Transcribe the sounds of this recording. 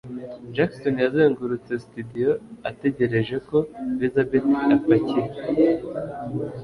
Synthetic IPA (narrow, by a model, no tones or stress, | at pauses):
d͡ʒakso̞njazeːŋɡuɾut͡se̞situdijo̞ate̞ɟe̞ɾe̞ʒe̞ko̞βizabetafaciɾe